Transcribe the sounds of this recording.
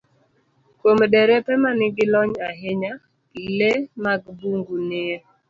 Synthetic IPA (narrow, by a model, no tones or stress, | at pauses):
komdɛɾɛpɛmanɪɡɪlɔɲaɦɪɲa | lemaɡbuŋɡunɪ